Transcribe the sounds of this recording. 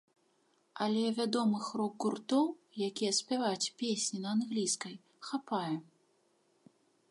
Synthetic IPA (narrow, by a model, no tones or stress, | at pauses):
alʲɛvʲad̪ɔmɨxrɔɡɡurt̪ɔwjakʲijɛsʲpʲavat͡sʲpʲesʲnʲinɐanɣlʲiskɐj | xapajɛ